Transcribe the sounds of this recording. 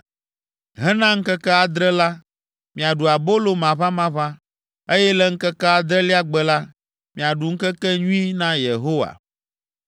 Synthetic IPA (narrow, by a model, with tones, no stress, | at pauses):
ɦɛ˦nã˦ŋ̩˦kɛ˦kɛ˦a˨d̪ɾɛ˦la˦ | mĩ˨a˨ɖu˨a˨bo˦lo˦mã˨βa˦mã˦βã˦ | e˦jɛ˦lɛ˦ŋ̩˦kɛ˦kɛ˦a˨d̪ɾɛ˦li˦a˦ɡ͡bɛ˨la˦ | mĩ˨a˨ɖu˨ŋ̩˦kɛ˦kɛ˦ɲũ˦i˦nã˦je˨ɦo˦wa̰˨